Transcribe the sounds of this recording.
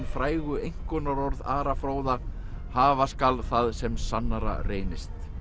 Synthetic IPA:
nfɾaːjɣʏejŋ̥kʏnaɾɔɾðaːɾafɾoːwðaɾ | haːvaskalθaðsɛmsanːaɾa̰reːjnɪst̪

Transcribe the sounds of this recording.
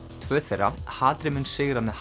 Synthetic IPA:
t̪ʰvœːθɛra̰haːlt̪ɾɪmʏnsɪɣɾamɛðh

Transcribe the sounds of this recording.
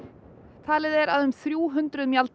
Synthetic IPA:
t̪ʰaːlɪðɛɾaðʏmθɾjuːɦʏnt̪ɾʏðmjalt̪

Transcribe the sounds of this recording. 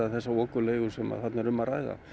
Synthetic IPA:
aθɛsːaɔːkʏleːjɣʏsɛma̰ðθat̪naɾʏmːaraːjða̰

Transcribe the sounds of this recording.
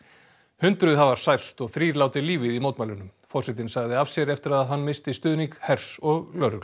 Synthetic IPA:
hʏnt̪ɾʏðhavaɾ̥sajr̥st̪ɔɣθɾiːɾlaːwt̪ɪliːvɪðimowt̪majlʏnːʏmfɔrsɛt̪̬ɪnsaɣðɪavsjɛɾɛft̪ɪɾaððɦanːmɪst̪ɪst̪ʏːðniŋkhɛɾ̥sɔɣlœɾʏl

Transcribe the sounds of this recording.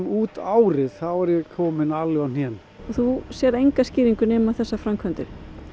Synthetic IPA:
muːt̪aːwɾɪðθaðvɔɾjɛkʰɔːmɪnalɪɣɔn̥jɛn | ɔθusjɛɾejŋkasciːɾiŋkʏnɛːmaθɛsːafɾamkʰœnt̪ʏɾ̥

